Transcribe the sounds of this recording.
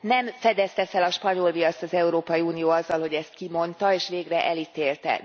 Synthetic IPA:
nɛmfɛd̪ɛst̪ɛfɛlɒʃpɒɲo̞lviɒst̪ɒzɛuɾoːpɒjiuːnijoːɒzːɒlho̞ɟɛst̪kimo̞nt̪ɒeːʃʋeːɡrɛʔɛlit̪eːlt̪ɛ̰

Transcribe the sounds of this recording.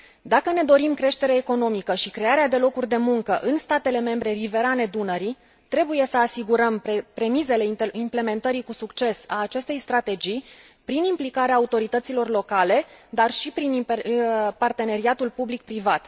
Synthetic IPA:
d̪akəne̞d̪o̞ɾimkɾe̞ʃt̪e̞ɾeeko̞no̞mikəʃikɾe̞aɾead̪e̞lo̞kurʲd̪e̞muŋkəʔɨnst̪at̪e̞le̞me̞mbɾe̞rive̞ɾane̞d̪unəɾi | t̪ɾe̞buje̞səasiɡuɾəmpɾe̞mize̞le̞iimple̞me̞nt̪əɾikusukt͡ʃe̞saːt͡ʃe̞st̪e̞jst̪ɾat̪e̞d͡ʒij | pɾinimplikaɾeaːut̪o̞ɾit̪ət̪silo̞rlo̞kale̞d̪arʃipɾin | part̪e̞ne̞ɾiat̪ulpublik̚pɾivat̪

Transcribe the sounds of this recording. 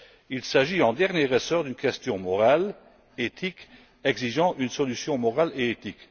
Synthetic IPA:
ilsaʒiɑ̃d̪ɛʁnjeʁəsœːʁd̪ynkɛst̪jɔ̃mɔʁal | et̪ʰik | ɛɡziʒɑ̃ʔynsɔlysjɔ̃mɔʁaleet̪ik

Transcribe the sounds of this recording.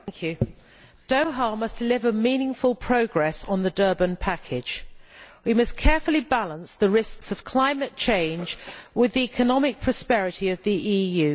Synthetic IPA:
ŋkʰjʉ | d̥əʊɦɑːmʌsd̥ɪlɪvəmĩːnɪ̃ŋfəlˠpʰɹ̥əʊɡɹɛsn̩ðədɜːbə̃npʰakʰɪ̥d͡ʒʒ̥wimʌskʰɛɹfəlibalə̃nsðəɹɪsksəv̥kʰl̥ãɪ̃mətt͡ʃʰẽɪ̃nd͡ʒwɪðiɛkʰənɒmɪk̚pʰɹ̥ɒspɛɹɪtʰiəvðiʔiːjʉː

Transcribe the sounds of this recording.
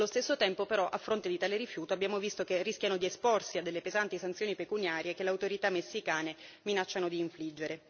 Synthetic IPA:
alːost̪esːot̪ɛmpopeɾɔʔa̰fːɾont̪ed̪it̪aːleɾifjuːt̪oabːjaːmovist̪okerːiskʲjanod̪iesporsiad̪ːelːepezant̪isant̪sjoːnipekunjaːɾjekeleawt̪oɾit̪amːesːikaːneminat͡ʃːanod̪iːɱflid͡ʒːeɾe

